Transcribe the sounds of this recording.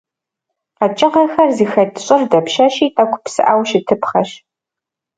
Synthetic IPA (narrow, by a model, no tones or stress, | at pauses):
qɐt͡ʃʼɪqɐxɐrzixɐtʰʼɕʼɪrdɐpʃɐʃiːtʼɐkʷʰʼʊpsɨʔaːwʃɪtʰɨpχɐɕ